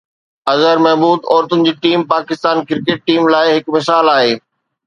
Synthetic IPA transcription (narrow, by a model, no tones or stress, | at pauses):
ɐzəɾmɛɦbuːd̪ɔːɾt̪ʊnɪ̆d͡ʑiːʈiːmpaːkɪst̪aːnkɪɾkeːʈ̚ʈiːmlaːɪɦɪkmɪs̬aːlaːɦeː